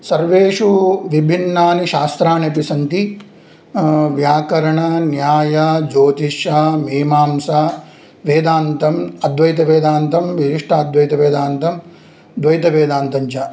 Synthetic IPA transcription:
sɐɾʋeːʂuʋibʱinːaːniʃaːst̪ɾaːnepisɐnt̪i | ʋjaːkɐɾɐɳɐnjaːjɐd͡ʒoːt̪iʃɐmeːmaːmsa | ʋeːd̪aːnt̪ɐmɐd̪ʋɐjt̪ɐʋeːd̪aːnt̪ɐmʋiʃiʂʈʰaːd̪ʋɐjt̪ɐʋeːd̪aːnt̪ɐm | d̪ʋɐjt̪ɐʋeːd̪aːnt̪ɐɲt͡ʃɐ

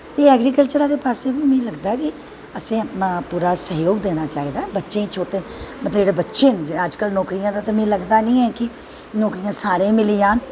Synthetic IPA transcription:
t̪eːɛːɡɾiːkəlt͡ʃəɾaːɾeːpaːseːbĩːmɛ̃ːləɡd̪aːɛkɪ | əsẽːpuːɾaːsəɦjoːɡd̪eːnaːt͡ʃaːiːd̪aːbətːʃẽːĩt͡ʃʰoːʈeːmət̪ləd͡ʒeːɽeːbətːʃeːnd͡ʒəd͡ʒkəlnɔːkɾɪjãːd̪aːt̪eːmɛ̃ːləɡd̪aːnĩːɛːkɪ | nɔːkɾɪjãːsaːɾẽːmɪliːjãːn

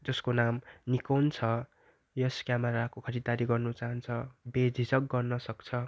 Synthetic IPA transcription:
d͡zʌskonamnikant͡sʰʌ | jʌskjameɾakokʰʌɾid̪aɾiɡʌrnut͡saɦʌnt͡sʰʌbed͡zʱid͡zʌk̚ɡʌrnʌsʌkt͡sʰʌ

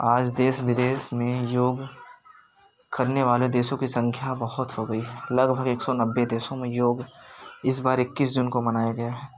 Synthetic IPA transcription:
aːd͡ʒd̪eːsʋɪd̪eːsmẽjoːɡ | kɐɾneʋaːled̪eːʃõkisɐ̃ŋkʰjabɐɦʊt̪ɦoɡɐiɦɛlɐɡbʱəɡeːksɔnɐbːed̪eːsõmẽjoːɡɪs̬baːɾɪkːis̬d͡ʒʊnkomɐnaːjaɡɐjaɦɛː

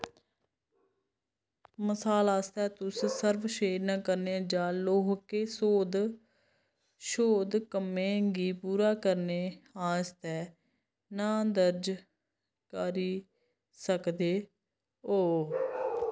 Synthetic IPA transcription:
məsaːlaːst̪ɛːt̪ʊssəɾʋʃeːɾnãːkəɾneːd͡ʒãːloːɦkeːsoːd̪ | ʃoːd̪kəmẽːɡiːpuːɾaːkəɾneːaːst̪ɛː | nãːd̪əɾd͡ʒ | kaɾiː | səkd̪eː | oː

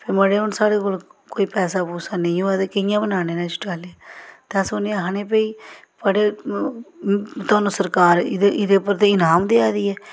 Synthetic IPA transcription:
pʰeːməɽeːɦʊnsaːɽeːkoːlkoːiːpɛːsaːpuːsaːnẽĩõɛːt̪eːkɪɪjãːbənaːneːnãːt͡ʃʰɪ̥ʈaːleaːt̪ãːsʊneɦaneːpəiː | pəɽeː | t̪ʊaːnũːsəɾkaːɾɪʔɪd̪eːpəɾt̪eːɪnaːmd̪eːaːd̪iːɛː

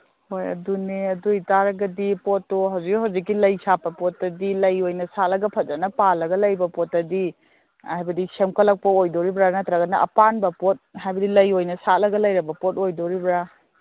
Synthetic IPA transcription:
hojɐ̰duneɐdujtaɾɐɡɐdipotːoɦɐwzikɦɐwzik̬ːilɐjsapɐpotːɐdilɐjojnɐsalɐɡɐpʰɐt̚zɐnɐpalɐɡɐlɐjbɐpotːɐdi | ajbɐdisemkɐlɐk̚pɐojdoɾibɾanɐtɾɐɡɐnɐʔɐ̰panbɐpot̚hajbɐdilɐjojnɐsalɐɡɐlɐjɾɐbɐpotojdoɾibɾa

